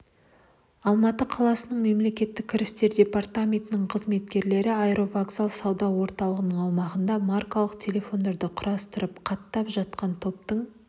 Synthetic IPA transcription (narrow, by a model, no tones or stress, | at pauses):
ɑlˠmɑt̪əqʰɑlˠɑsənəɴme̞mle̞kʲe̞t̪ːɪk̚ʲʰːɪɾɪst̪e̞ɾd̪ʲe̞part̪amʲe̞nt̪ɪnɪɴqʰəzme̞t̪kʲe̞ɾle̞ɾɪajɾo̞vaɡzalˠsɑwd̪ɑwo̞ɾt̪ɑlˠəʁənəɴɑwmɑʁənd̪ɑmarkolˠəqt̪ʲʰe̞le̞fo̞nd̪eɾd̪ɪqʰʊɾɑst̪əɾəpqʰɑt̪ːɑpʒɑt̪̚qɑnt̪ʰo̞p̚t̪əɴ